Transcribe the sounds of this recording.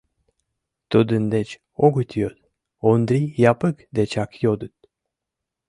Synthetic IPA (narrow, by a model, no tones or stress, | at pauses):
t̪od̪und̪ɛt͡ʃ | oɡut̪ʰijod̪ | ond̪ɾijapɯkd̪ɛt͡ʃakʰjod̪ut̪̚